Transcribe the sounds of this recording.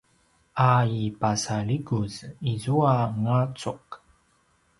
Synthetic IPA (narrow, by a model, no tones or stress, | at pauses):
ʔaipasaɭiɡuzizuaŋat͡suq